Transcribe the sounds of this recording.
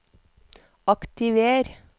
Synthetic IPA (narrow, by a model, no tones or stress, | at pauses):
ɑkt̪ɪʋeːɾ